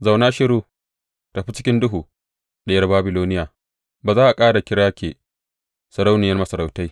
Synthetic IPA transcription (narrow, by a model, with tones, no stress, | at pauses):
za˨wnaː˦ʃɪ˦ɾuː˦ | tɐ˨ɸi˦t͡ʃɪ˦kʲɪ˦ndʊ˦ɦuː˨ | ɗɐ˦jɐ˦rbaː˦bɪ˨loː˦nɪ˦jaː˨ | baː˨zaː˦ʔa˨kʼaː˦ɽa˨kʲɪ˦ɽaː˦kʲeː˨ | sɐ˨ɾa˦wnɪ˨jɐ˦rmɐ˦sɐ˨ɾa˨wta˦j